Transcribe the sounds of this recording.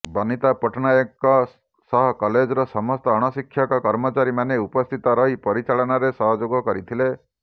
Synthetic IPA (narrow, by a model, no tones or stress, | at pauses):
bɔnit̪apɔʈʰɔnajɔkɔ | sɔɦɔkɔled͡ʒɔɾɔsɔmɔst̪ɔːɽ̃ɔsikʰːjɔkɔkɔɾmɔt͡ʃaɾimaneupɔst̪ʰit̪ɔɾɔɦipɔɾit͡ʃaɭɔnaɾesɔɦɔd͡ʒoɡɔkɔɾit̪ʰile